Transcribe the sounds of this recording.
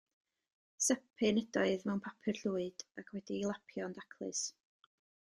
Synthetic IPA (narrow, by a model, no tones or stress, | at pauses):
sɛpʰɪnədɔɨðmɛwnpʰapʰɨrɬuːɨd̥akʰwɛdiːlˠapʰjɔndakʰlˠɨ̰s